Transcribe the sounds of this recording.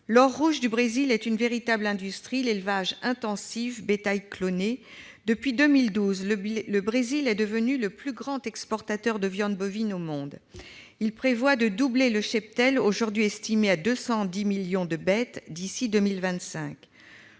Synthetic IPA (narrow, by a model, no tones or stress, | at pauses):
lɔʁːuʒd̪ybʁezilɛt̪ynveʁit̪ablɛ̃d̪yst̪χilelvaʒɛ̃t̪ɑ̃sifbet̪ajklone | d̪əpɥid̪ømild̪uzlələbʁezilɛd̪əvənyləplyɡʁɑ̃t̪ɛkspɔʁt̪at̪œʁd̪əvjɑ̃d̪bɔvinomɔ̃d̪ | ilpχevwad̪əd̪ubleləʃɛp̚t̪ɛloʒuʁd̪ɥiɛst̪imead̪øsɑ̃d̪imiljɔ̃d̪əbɛt̪d̪isid̪ømilvɛ̃t̪sɛ̃k